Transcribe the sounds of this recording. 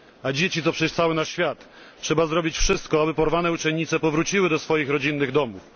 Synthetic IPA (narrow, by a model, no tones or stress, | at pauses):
ad͡ʑet͡ɕit̪ɔpʂɛʃt̪sawɘnaɕfʲjat̪ | ʂɛbazɾɔbʲit͡ɕfʂɘst̪̚kɔabɘpɔɾvanɛut͡ʂɛɲɲːit̪sɛpɔvɾut͡ɕiwɘd̪ɔsfɔjixɾɔd͡ʑinːɘɣd̪ɔmuf